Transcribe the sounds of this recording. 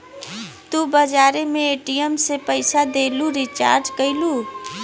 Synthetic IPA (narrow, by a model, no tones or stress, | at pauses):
t̪ubəd͡ʒaːɾemẽeːʈijəmsepəɪsad̪eːluɾɪt͡ʃa̰ːɾd͡ʒkəiluː